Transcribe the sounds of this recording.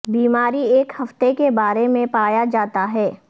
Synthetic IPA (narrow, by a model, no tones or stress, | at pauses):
biːmaːɾieːkhɐft̪ekebaːɾemẽpaːjad͡ʒaːt̪aɦɛː